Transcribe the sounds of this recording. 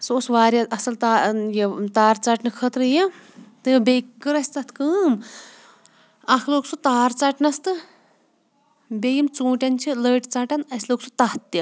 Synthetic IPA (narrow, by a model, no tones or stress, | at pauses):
sosʋaːɾʲɐɐsɐlt̪ajet̪aːɾt͡sɐʈnɨkʰət̪ɾɨji | t̪ɨbʲejkɨɾɐsʲt͡sɐt̪ʰkɨːm | ɐkʰloːksut̪aːɾt͡sɐʈnɐst̪ɨ | bʲejimt͡sũːʈʲɐnt͡ʃʰiləːʈt͡sɐʈɐnɐsʲloːksʰut̪ɐht̪ːɐ